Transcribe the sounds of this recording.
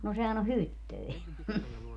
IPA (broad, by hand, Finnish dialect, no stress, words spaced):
no sehæn o hytːøi